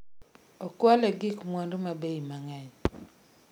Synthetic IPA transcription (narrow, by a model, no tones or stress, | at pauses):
ɔkwalɛɡɪkmwɔndomabeimaŋɛɲ